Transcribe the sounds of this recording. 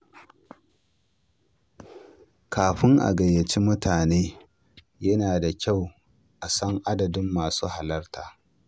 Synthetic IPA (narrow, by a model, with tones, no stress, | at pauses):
kʰaː˨ɸɪ˦ŋʔa̰˨ɡɐ˨jːɐ˨t͡ʃi˦mʊ˦taː˨neː˦ | jɐ˦naː˨da˨kʲa˦˨w | ʔa˨sɐ˦ŋʔa˦dɐ˨dɪ˦mːaː˨suː˦ha˨lɐ˦rtʰaː˨